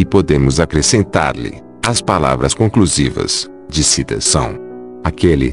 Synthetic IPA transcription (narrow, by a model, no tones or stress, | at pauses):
ɪpod̪ẽmʊzakɾesẽnt̪a̰ɾlɪ̰ | ɐspala̰vɾɐskõkluzivɐ̰s | d͡ʒɪsit̪ɐ̰sɐ̰̃w̃ | akelɪ̰